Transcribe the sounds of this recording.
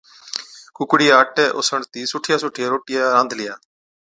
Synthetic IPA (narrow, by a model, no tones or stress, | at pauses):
kʰʊkɽɪjaːʈɛːʔosəɳt̪iːsʊʈʰɪjaːsʊʈʰɪjaːɾoːʈɪjaːɾãnd̪ʱlɪjaː